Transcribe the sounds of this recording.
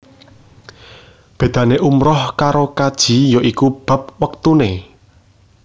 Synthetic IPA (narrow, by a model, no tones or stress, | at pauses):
b̥e̤d̪̥ä̤neʔumɾɔhkaɾokad̥ʒ̥i̤jɔʔikub̥ä̤p̚wək̚t̪une